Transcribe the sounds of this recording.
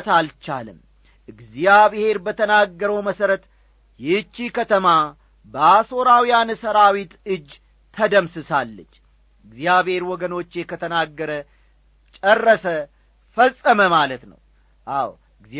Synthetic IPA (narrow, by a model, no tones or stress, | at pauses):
t̪alt͡ʃa̰lɨm | ʔɨɡzijaβhe̞ɾbət̪ʰənaɡːəɾəwməsəɾət̪ | jɛt͡ʃːikʰət̪ʰəma | bəaso̞ɾawijansəɾawit̪ɨd͡ʒ̪ːʰ | əd̪əmsɨsalːət͡ʃː | ɨɡzjaβhe̞ɾwɔɡəno̞t͡ʃːjɛkʰət̪ʰənaɡːəɾə | t͡ʃʼərːəsə | fəsʼːəməmalət̪nə̰w | ʔaw | ɨɡz